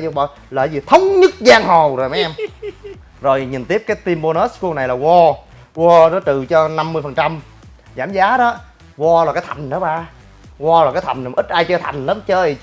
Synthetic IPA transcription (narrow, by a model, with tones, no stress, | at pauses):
zo˧˩ɓɔ˧˨˩ | ləː˧˨˩jzi˨˩t̪ʰə˨˦wŋ͡mɲɨ˦˥k̚zaː˧ŋho˨˩zo˨˩jma˨˦ʔɛ˧m | zo˨˩jɲi˨˩nt̪i˦˥əp̚kaː˨˦jt̪i˧mɓo˧nə˦˥sku˧na˨˩jlaː˨˩ɣɔ˧ | ɣɔ˧nɔ˨˦t͡ɕ̪ɨ˨˩t͡ɕɔ˧na˧mːɨ˧əfə˨˩nt͡ɕa˧m | zaː˧˩mzaː˨˦ɗɔ˨˦ | ɣɔ˧lɔ˨˩kaː˨˦jt̪ʰa˨˩jŋ̟ɗəː˨˦ɓaː˧˩ | ɣɔ˧laː˨˩kaː˨˦jt̪ʰa˨˩ŋ̟˨˩mʔi˦˥t̚ʔaː˧jt͡ɕəː˧t̪ʰa˨˩jŋ̟ləː˨˦mt͡ɕəː˧˨